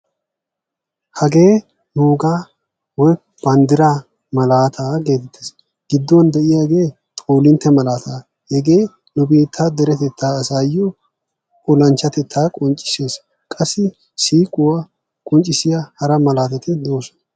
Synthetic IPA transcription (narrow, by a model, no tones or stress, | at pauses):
hɐɡe̞ː | nuːɡaː | wɔj | b̥ɐnd̪ɪɾaː | mɐlaːt̪ʰaːɡe̞ːt̪ɛt̪ʰːeːs | ɡ̥ɪd̪ːʊwɐnd̪ɛʔɪjaːɡe̞ː | t̪ʼoːlɪnt̪ːɛmɐlaːt̪aː | hɛɡe̞ː | nɔbeːt̪ʰːaːd̪ɛɾɛt̪ɛt̪ʰːaːɐsaːjɔ | ɔlɐnt͡ʃːɐt̪ɛt̪ʰːaːkʼɔnt͡ʃʼːɪ̥se̞ːs | kʼɐsːɪ | siːkʼʊwa | kʼɔnt͡ʃʼːɪsɪjahɐɾɐmɐlaːt̪ɐt̪ɪd̪o̞ːsɔn